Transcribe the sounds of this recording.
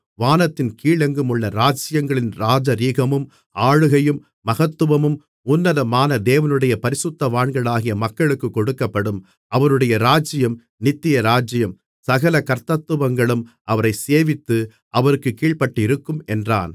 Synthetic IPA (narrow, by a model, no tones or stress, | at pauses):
ʋaːnɐt̪ːɪnkiːɭɛŋɡɯmʊɭːɐɾaːd͡ʒɪjɐŋɡɐɭɪnɾaːd͡ʒɐɾiːɣɐmɯm | ʔaːɻɯɣɐjɯmːɐɣɐt̪ːɯʋɐmɯm | ʊnːɐðɐmaːnɐd̪eːʋɐnɯɽɐjɐpɐɾɪsɯt̪ːɐʋaːɳɡɐɭaːɣɪjɐmɐkːɐɭɯkːɯkːɔɽɯkːɐpːɐɽɯm | ʔɐʋɐɾɯɽɐjɐɾaːd͡ʒɪjɐm | nɪt̪ːɪjɐɾaːd͡ʒɪjɐm | sɐɣɐlɐkɐɾt̪ɐt̪ːɯʋɐŋɡɐɭɯm | ʔɐʋɐɾɐɪseːʋɪt̪ːɯ | ʔɐʋɐɾɯkːɯkːiːɭpɐʈːɪɾɯkːɯmɛndra̰ːn